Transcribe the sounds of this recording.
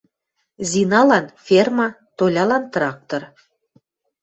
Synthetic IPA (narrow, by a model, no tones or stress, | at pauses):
zinɑlɑnfʲermɑ | t̪olʲɑlɑnt̪rɑk̚t̪or